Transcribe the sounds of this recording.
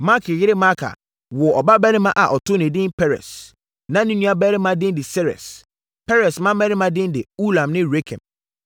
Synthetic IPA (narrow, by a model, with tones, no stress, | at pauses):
ma˦kʰɪ˨jɪ˦ɾɪ˦ma˦kʰa̰˨ | wɔ˨ɔ˨ba˦bɛ˦ɾɪ˦mã˦ʔa˨ʔɔ˨tʰo˦nɪ̃˨dɪ̃˦npʰɛ˦ɾɛ̰˨s | nã˦nĩ˦nũ˦a˦bɛ˦ɾɪ̃˦mã˦dɪ̃˦ndɪ˨sɛ˦ɾɛ̰˨s | pʰɛ˦ɾɛ˨smã˦bɛ˦ɾɪ˦mã˦dɪ̃˦ndɪ˨u˦lã˨mnɪ̃˦ɾe˦kʰɛ̰̃˨m